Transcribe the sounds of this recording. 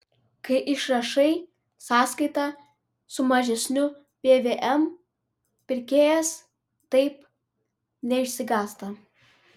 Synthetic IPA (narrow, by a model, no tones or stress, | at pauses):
kɐɪʔɪʃɾɐʃɐɪ | sɑːskɐɪt̪ɑ | sʊmɐʒʲɛsʲnʲʊ | pʲeːʋʲeːʔɛm | pʲɪɾʲkʲeːjɛs | t̪ɐɪp | nʲɛɪʃʲsʲɪɡɑːst̪ɐ